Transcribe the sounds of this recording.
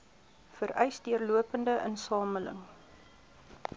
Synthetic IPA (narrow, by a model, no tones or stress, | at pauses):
fəɾœɥsdiərluəpəndəʔənsɑːmələ̰ŋ